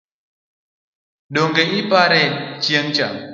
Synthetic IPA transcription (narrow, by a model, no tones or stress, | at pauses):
ɗoŋɡeipaɾɛt͡ʃjeŋt͡ʃa̰ŋ